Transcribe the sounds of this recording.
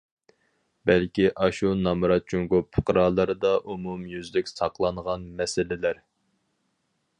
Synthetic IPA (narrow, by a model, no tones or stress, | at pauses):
bɛlkʲiʔɑʃunɑmɾɑt̪̚t͡ʃʰuŋɡʊpʰɨqəɾɑːlˠəɾɨd̪ɑʔumumjyzlykʲsɑqlˠɑɴʁɑnmɛsɪlɪlæɾ